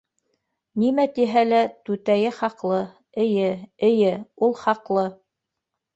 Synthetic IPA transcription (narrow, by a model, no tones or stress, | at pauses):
nimæt̪iɦælæt̪ʉt̪æjɘχɑqlˠɤ | ɘ̆jɘɘ̆jɘulˠχɑqlˠɤ